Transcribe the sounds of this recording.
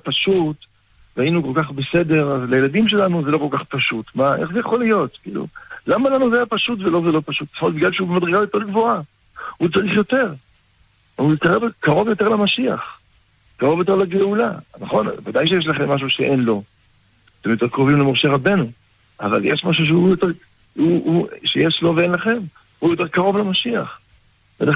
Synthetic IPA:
paʃut | vainuko̞lkaχbe̞se̞de̞ʁazlaje̞ladimʃ̬e̞lanuzelo̞ko̞lkaχpaʃut̪maʔeχzejaχo̞lijo̞t̪kḭːlṵlamalanuzejapaʃut̬velo̞zelo̞paʃut̪ːmot̪biɡlalʃeubemad̪ʁeɡajot̪eʁɡvoa | hut͡saʁiχjo̞t̪e̞ʁ | uit̪kaʁevkaʁo̞vjo̞te̞ʁlamaʃia̰χ | kaʁo̞vjo̞t̪̬e̞leɡeulanaχo̞nvad̪ajʃ̬ejeʃ̬laχemːaʃ̬uʃeʔenlo̞ | t̪emjo̞t̪eʁkʁo̞vimlemoʁʃeʁabe̞nu | ʔava̰ljeʃmaʃ̬uʃ̬eujot̪eʁ | uuʃejeʃlo̞veenlaχe̞m | hujo̞t̪̬e̞ʁkaʁo̞vlemaʃia̰χ | vena

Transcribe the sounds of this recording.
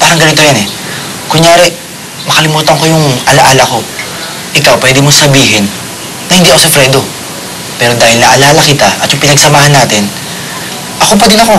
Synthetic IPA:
paːɾɐŋɡɐnɪt̪ojanɛ | kʊŋjaːɾɛ | mɐkɐlɪmuːt̪ɐŋkojʊŋʔɐlɐʔaːlɐko̞ | ʔɪkawpwɛːd̪ɛmosɐbiːɦɪnː | ɐhɪnd̪iʔɐkosɛfɾɛd̪o̞ | pɛːɾo̞d̪aːhɪlnɐʔɐlaːlɐkɪt̪aʔɐ̰t̪jʊŋpɪnɐɡsɐmaːhɐnːaːt̪ɪn | ʔɐkop̬ɛd̪ɪnɐko̞

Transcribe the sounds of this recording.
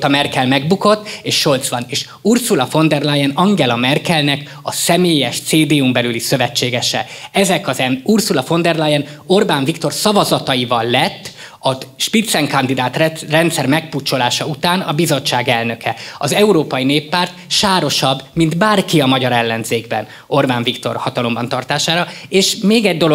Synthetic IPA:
t̪ɒmɛrkɛlmɛɡbuko̞t̪ːeːʃːo̞lt̪sʋɒneːʃ | ursulɒfo̞nd̪ɛrlajɛnɒŋɡɛlɒmɛrkɛlnɛk | ɒsɛmeːjɛʃt̪seːd̪eːumbɛlylisøvɛt͡ʃːeːɡɛʃɛɛzɛkɒzɛnursulɒfo̞nd̪ɛrlajɛno̞rbaːɱvikt̪o̞rsɒvɒzɒt̪ɒjivɒlːɛt̪ː | ɒʃpit̪sɛŋkɒnd̪id̪aːt̪rɛnt̪sɛrmɛkput͡ʃːo̞laːʃɒut̪aːnɒbizo̞t͡ʃːaːɡɛlnø̞kʰɛɒzɛuɾoːpɒjineːpːaːrt̪ʃaːɾo̞ʃɒbːmind̪baːrkiɒmɒɟɒɾɛlːɛnzeːɡbɛ̰n | o̞rbaːɱvikt̪o̞̰rhɒt̪ɒlo̞mbɒnt̪ɒrt̪aːʃaːɾɒeːʃmeːɡɛɟd̪o̞lo

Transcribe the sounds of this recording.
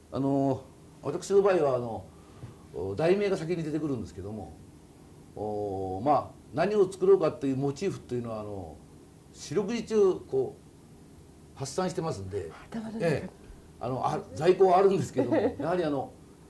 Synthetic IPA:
a̰no | βa̰t̪akɯ̟ɕino̞baːiβaːno̞ | d̪aime̞ːɡasak̬ʲiɲ̟id̪e̞t̪̬e̞kɯ̟ɾɯ̃nd̪e̞sɨ̥ke̞d̪o̞mo̞̰ | maː | naɲ̟io̞t͡sɨ̥kɯ̟ɾoːkat̪ːe̞jɯ̟ːmo̞t͡ɕiːɸɯ̟̥t̪ːe̞jɯ̟no̞βaːno̞̰ | ɕiɾʲo̞k̬ɯ̟d͡ʑit͡ɕɨːko̞ː | hasːãɕi̥t̪e̞masɨ̃nd̪e̞̰e | a̰no̞ʔad͡zaiko̞ːβaːɾɯ̟̃nd̪esɨ̥ked̪oojahaɾʲiano̞

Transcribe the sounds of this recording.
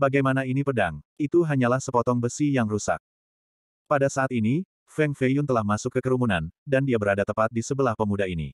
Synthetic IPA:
baɡajmanainipədaŋit̪uɦaɲalahsəpɔt̪ɔŋbəsijaŋrusa̰k̚ | padasaːt̪ini | fɛŋfejunt̪əlahmasʊkːəkəɾumunandandiabəɾadat̪əpat̪̚disəbəlahpəmudainḭ

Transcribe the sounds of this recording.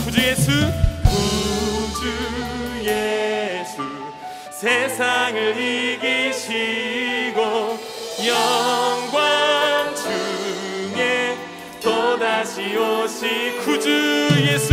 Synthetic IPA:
kud͡ʑujesʰukud͡ʑujesʰu | sʰesʰaŋɯɭiɡiɕʰi | ɡo | jʌŋɡwaŋt͡ɕʰɯ | ŋe | t̪odaɕʰioɕʰikud͡ʑujesʰ

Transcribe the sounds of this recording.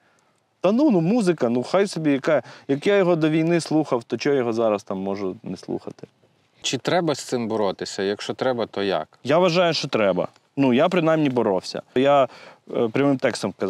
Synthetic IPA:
t̪ɐnunumuzɪkɐnuxajsɔbʲijɐkajɐkjajɔɦɔd̪ɔʋʲijnɪslˠuxɐwt̪ɔt͡ʃɔjɔɦɔzɑɾɐst̪ɑmːɔʒʊnɛslˠṵxɐt̪ɪ̥ | t͡ʃɪt̪ɾɛbɐst̪sɪmbɔɾɔt̪ɪsʲɐjɐkʃt͡ʃɔt̪ɾɛbɐt̪ɔja̰kjaʋɐʒɑjʊʃt͡ʃɔt̪ɾɛbɐ̰ | nujapɾɪnajmnʲibɔɾɔwsʲɐ̰ja | pɾʲɐmɪmt̪ɛkst̪ɔmkɐz

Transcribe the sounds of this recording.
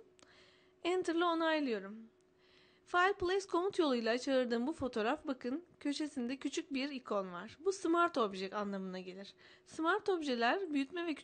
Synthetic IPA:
ɛnt̪ʰɯɾlˠio̞najlˠɯjo̞ɾum | fajlʲplˠeskʰo̞mut̪jo̞lˠujlˠat͡ʃʰaɯɾd̪ɯːmbufo̞t̪ʰo̞ɾafbakʰɯncʰø̞ʃe̞sind̪ɛcʰyt͡ʃʰyc̚biɾikʰo̞nvaɾ̥busmaɾt̪o̞bʒɛkanlˠamɯnaɟe̞lʲiɾ̥ | smaɾt̪o̞bʒelʲæɾbyjyt̪mɛvɛcʰ

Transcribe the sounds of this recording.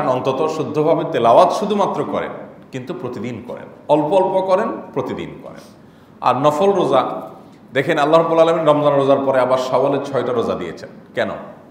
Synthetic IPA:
nɔnt̪ot̪oʃud̪ʱːobʱabet̪elawat̪ʃud̪ʱumat̪ːɾokɔɾḛnkint̪upɾot̪id̪inkɔ̰ɾḛnɔlpoɔlpokɔɾenpɾot̪id̪ḭnkɔ̰ɾḛn | a̰ɾnɔfolɾoza | d̪ɛkʰenalːaɦɾɔbːulalaminɾɔmzanɾozaɾpɔɾeabaɾʃaoleɾt͡ɕʰɔeʈaɾozad̪ijḛt͡ɕʰenkɛno̰

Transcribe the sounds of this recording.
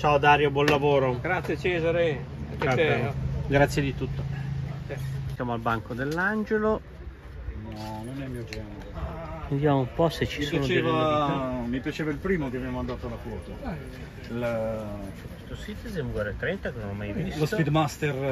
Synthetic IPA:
t͡ʃaːod̪aːɾjobwɔnlavoːɾoɡɾat̪sːjet͡ʃɛːzaɾe | ɡɾat̪sːjed̪it̪ut̪ːoasjaːmoalbaŋkod̪elːand͡ʒelo | manonɛmːiod͡ʒɛːn | ud̪jamoumpɔset͡ʃːisonot͡ʃevamipjat͡ʃeːvailpɾiːmok̪eavemand̪aːt̪oalafɔːt̪o | l | t͡ʃɛkest̪osit̪esemuɡwɛɾet̪ɾɛnt̪akenonamːajvislospid̪mast̪er

